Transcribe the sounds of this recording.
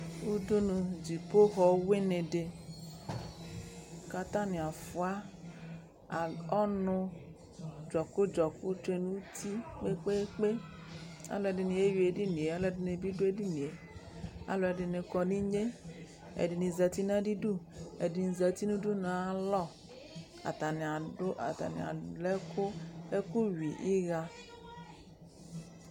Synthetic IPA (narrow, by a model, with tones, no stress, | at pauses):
u˦du˦nũ˧d͡ʒi˨po˦xɔ˨˦we˦ne˨de˨ | ka˧t̪a˦ni˨a˨fʊ˨a˦ | a˨ɔ˦nʊ˧ | d͡ʒɔ˨kʊ˦d͡ʒɔ˨kʊ˦te˦nu˦ti˦k͡pe˦k͡pe˦k͡pe˦ | a̰˦lɔ˨ɛ˨dɪ˨ni˨e˦ji˨e˨di˦nĩ˨e˨a˦lɔ˨ɛ˨dɪ˨ne˨bi˦du˦e˦di˦nĩ˨e˨ | a̰˨lɔ˨e˨ɖɪ˨nẽ˨kɔ˨nĩ˦ɲe˦ | ḛ˨di˨nĩ˨za˨t̪i˦nã˦ɖi˦ɖu˦ḛ˨di˨ni˨za˨t̪i˦nũ˦du˦nã˨˦lɔ˦ | a̰˨t̪a˨nẽ˨a˨ɖʊ˦ʔa̰˨t̪a̰˨nḭ˨a̰˨lɛ˦kʰo˦e˦ku˦wi˨ʔi˦ɣa˦